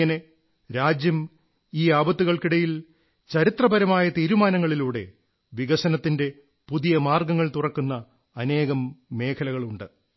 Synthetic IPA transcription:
ɐne | ɾaːd͡ʑjɐm | iːaːbɐt̪ːuɣɐɭkiɽɐjil | t͡ɕɐɾit̪rɐbɐɾɐmaːjɐt̪iːɾumaːnɐŋːɐɭiluːɽe̞̰ | ʋiɣɐsɐnɐt̪ːinde̞ | puðijɐmaːrɡɐŋːɐɭt̪urɐkːunːɐː | ne̞ːɣɐmːe̞ːkʰɐlɐɣɐɭuɳɖɨ

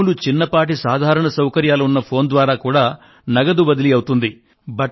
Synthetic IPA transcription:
lut͡ʃinːɐpaːʈ̬isaːd̪ʱaːɾɐɳɐsɐwkɐɾjaːlɐunːɐpʰo̞ːnd̪ʋaːɾaːkuːɽaː | nɐɡɐd̪uʋɐd̪iliɐwut̪und̪i | bɐʈ

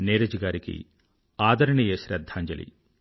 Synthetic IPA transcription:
neːɾɐd͡ʒiɡaːɾikḭ | aːd̪ʱɐɾɐɳijɐɕɾɐd̪ʱːaːɲd͡ʒɐlʔḭ

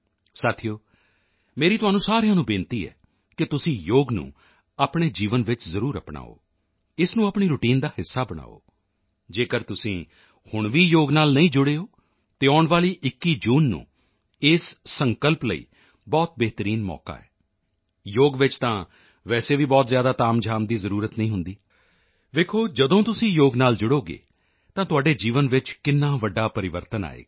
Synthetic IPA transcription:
saːt̪ʰijoː | meːɾiːt̪ʊaːnːũːsaːɾjãːnũːbɪ̃ːnt̪iːɛ̰ː | kɪt̪ʊsĩːjoːɡnṵ̃ː | aːpɽ̃eːd͡ʒiːʋənʋɪt͡ʃzəɾuːɾəpɽ̃a̰ːo̰ː | ɪsnũːapɳ̃iːɾʊʈiːnd̪aːhɪsːaːbəɽ̃a̰ːo̰ː | d͡ʒeːkəɾt̪ʊsĩː | hʊɳʋiːjoːɡnaːlnəĩːd͡ʒʊɽeːoː | t̪eːɔːɳʋaːliːʔɪkːiːd͡ʒuːnːṵ̃ː | ɪsːəŋkəlpləḭː | bɔːt̪̚beːɦt̪əɾiːnmɔ̰ːka̰ːɛ̰ː | joːɡʋɪt͡ʃt̪ãː | ʋɛːseːʋiːbɔːt̪zjaːd̪aːt̪aːmd͡ʒʱaːmd̪iːzəɾuːɾət̪nəĩːɦʊ̃nd̪iː | ʋeːkʰoːd͡ʒəd̪õːt̪ʊsĩːjoːɡnaːld͡ʒʊɽoːɡḛː | t̪ãːt̪ʊaːɖeːd͡ʒiːʋənʋɪt͡ʃkɪnːãːʋəɖːaːpəɾɪʋəɾt̪əna̰ːḛː

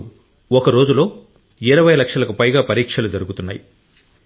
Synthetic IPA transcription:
ɔkɐɾo̞ːd͡ʒulo̞ː | iɾɐʋɐjlɐkʂɐlɐkupɐjɡaːpɐɾiːkʂɐlud͡ʒɐɾuɡut̪unːaːji

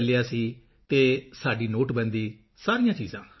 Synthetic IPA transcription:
lɪjaːsiː | t̪eːsaːɖiːnoːʈbə̃nd̪iː | saːɾijãːt͡ʃiːzãː

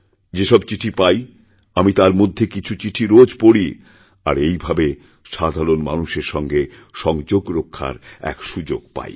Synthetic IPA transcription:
d͡ʑeʃɔbt͡ɕiʈʰipaj | amit̪aɾmod̪ʱːekit͡ɕʰut͡ɕiʈʰiɾod͡ʑpoɽi | a̰ɾejbʱabe | ʃad̪ʱaɾonma̰nuʃeɾʃɔŋɡe | ʃɔŋd͡ʑoɡɾokʰːa̰ɾɛ̰kʃud͡ʑoɡpa̰j

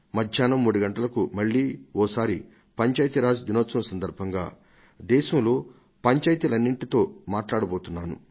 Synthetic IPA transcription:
mɐd̪ʱjaːnɐmːuːɽuɡɐɳʈɐlɐkumɐɭːiːɔːsaːɾi | pɐɲt͡ʃaːjt̪iɾaːd͡ʒd̪inɔːt̪sɐmɐsɐnd̪ɐɾbʱɐŋɡa̰ː | d̪ɛːʃɐmlo̞ː | pɐɲt͡ʃaːjɐt̪ilɐnːiɳʈit̪o̞ːmaːʈlaːɽɐbo̞ːt̪unːaːnṵ

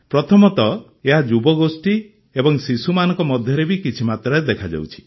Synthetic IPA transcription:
pɾɔt̪ʰɔmɔt̪ɔ | eɦad͡ʒubɔɡosʈi | ebɔŋsisumanɔ̃ŋkɔmɔd̪ʱjɔɾebikit͡ʃʰimat̪ɾɔed̪ekʰad͡ʒa̰wt͡ʃʰi̥

